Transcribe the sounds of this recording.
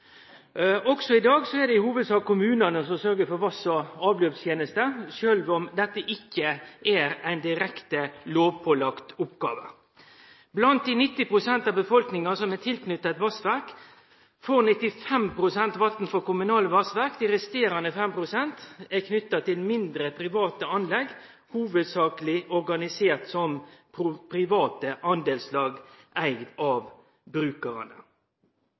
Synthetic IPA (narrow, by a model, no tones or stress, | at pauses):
ɔksɔɪd̪ɑːɡsɔɛd̪ɛɪhuːʋəd̪sɑːɡkʰʊmʉːnɑnəsɔsœɾɡəfɔɾʋɑsɔɑːʋløːpst̪jeːnəst̪əʃøːlʋɔmd̪ɛt̪ːəʔɪkʰːəʔæɾæɪnd̪ɪɾɛkt̪əloːʋpʰɔlɑkt̪ʊpɡɑ̰ːʋə̰ | blɑnt̪̚d̪inɪt̪ːɪpɾʊsɛnt̪ɑbəfɔlknɪŋɑsɔmɛt̪ʰɪlknʏt̪ːəɛt̪ʋɑsʋæɾk | foːʁnɪt̪ɪfɛmpɾʊsɛnt̪ʋɑt̪n̩fɔkʊmʉnɑːləʋɑsʋæʁkt̪ɪɾɛst̪eːɾɑnəfɛmpɾʊsɛnt̪ækʰnʏt̪ːɑt̪ʰɪlmɪnd̪ɾəpʰɾɪʋɑːt̪əɑnlɛɡ | huːʋəd̪sɑːkəlɪɔʁɡɑnɪseːʁt̪sɔmpʰʊpʰɾɪʋɑːt̪əʔɑnd̪eːlslɑːɡʔæɪɡd̪ɑːʋ | bɾʉːkəʁɑ̰nə̰